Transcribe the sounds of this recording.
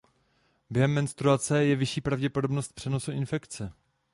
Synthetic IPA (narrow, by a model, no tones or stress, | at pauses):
bjɛɦɛmːɛnst̪ɾuat͡sɛjɛvɪʃiːpɾavɟɛpo̞dobno̞st̪̚pr̝̥ɛno̞suɪnfɛkt͡sɛ